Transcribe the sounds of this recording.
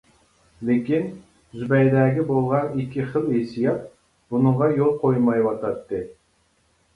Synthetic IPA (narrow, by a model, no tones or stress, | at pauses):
lekʲin | zybɛjd̪ɛːɡʲibolˠʁɑnikʲʰːiχəlˠesijɑt̪̚ | b̥unɨɴʁɑjolˠqʰojmɑjwɑt̪ɑt̪ːɨ